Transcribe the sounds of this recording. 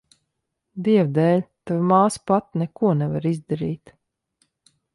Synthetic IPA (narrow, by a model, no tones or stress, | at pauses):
d̪iɛvd̪ɛːlʲt̪avmaːspat̪nɛkuɔnɛvaɾizd̪aɾiːt̪